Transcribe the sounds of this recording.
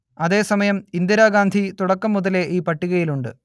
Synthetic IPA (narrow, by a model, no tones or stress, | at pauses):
ɐðe̞ːsɐmɐjɐmind̪jɐɾaːɡaːnd̪ʱit̪uɽɐkːɐmːuðɐle̞ʔiːpɐʈːiɣɐjiluɳɖɨ